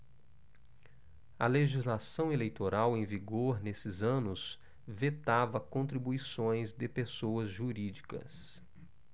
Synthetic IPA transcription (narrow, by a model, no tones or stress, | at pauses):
ɐleʒizlasɐ̃w̃elejt̪oɾʔawẽj̃viɡoɾnesɪzɐ̃nʊs | vet̪avɐkõnt̪ɾibuisõj̃zd̪ɪpesowɐzʒuɾid͡ʒikɐ̰s